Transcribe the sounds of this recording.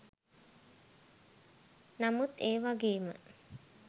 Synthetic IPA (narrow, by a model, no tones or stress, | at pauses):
namut̪eːʋaɡeːmə̰